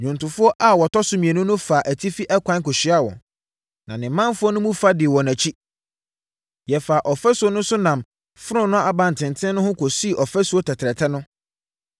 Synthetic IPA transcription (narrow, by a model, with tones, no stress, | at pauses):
ɲᶣũ˨ntʊ̃˨fʊ˦ɔ˦ʔa˦wɔ˨tɔ˦sʊ˨˦mĩ˨ɛ˨nʊ̃˦nʊ̃˦fa˨ʔæ˨tʰi˦fi˦ʔɛ˦kʷʰã˦nkʊ˨ɕi˦a˦wɔ̰̃˨ | nã˨nɪ̃˨mːã˦nfʊ˦ɔ˦nʊ̃˦mũ˦fa˦dɪ˨wɔ̃˨næ̃˨t͡ɕʰi˦ | jɛ˨fa˨ʔɔ˨fɛ˦sʊ˨ɔ˦nʊ̃˦sʊ˦nã˨m | fʊ˦ɾʊ̃˦nʊ̃˦ʔa˨bã˨n˨tʰɪ̃˨ntʰɪ̃˦nʊ̃˦hʊ̃˦ko˨si˦˨ʔɔ˨fɛ˦su˨˦ɔ˦tʰɛ˨tʰɾɛ˨tʰɛ˦nʊ̃˦